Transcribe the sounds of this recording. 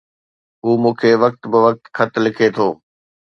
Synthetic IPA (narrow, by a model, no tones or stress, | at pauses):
ɦuːmũːkʰeːʋɐk̚t̪bɪʋɐk̚t̪kʰɐt̪lɪkʰet̪ʰoː